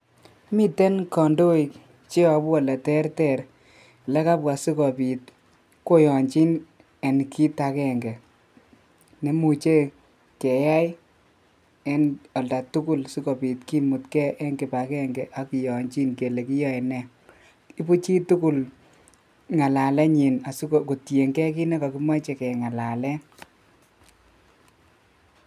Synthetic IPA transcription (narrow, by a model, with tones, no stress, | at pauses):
mi˦te˦nkɔ˨ndo˦i˨ | t͡ʃe˦ɔ˨bwɔ˨lɛ˨tɛ˦ɾtɛ˦˨ɾ | lɛ˦ka˦pwa˨si˦kɔ˨pi˨t̚ | ko˦jɔ˨ɲt͡ʃi˦n | ɛ˨n˨kʰi˦ta˨kɛ˦ŋɡɛ˨ | ne˨mu˨t͡ʃe˦ | kɛ˨ja˦j | ɛ˦nɔ˨lda˨tu˦ku˦lsu˦ko˨pi˨tki˦mu˨tkɛ˦ʔɛ˦ŋki˨pa˨kɛ˦ŋɡɛ˨ʔa˦ki˨jɔ˨ɲt͡ʃi˦nke˨le˨ki˦jɔ˦ɛ˨nɛ˦ | i˦pu˦t͡ʃi˦tu˦ku˦l | ŋa˨la˨lɛ˦ɲi˨na˨su˦ko˨ko˨tje˨ŋɡɛ˦ki˦nɛ˦ka˨ki˦ma˦t͡ʃɛ˨kɛ˨ŋa˨la˨lɛ˦